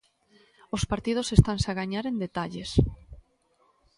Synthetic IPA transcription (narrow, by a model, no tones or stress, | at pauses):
ospaɾt̪ið̞osest̪ansaɣaɲaɾend̪et̪aʎes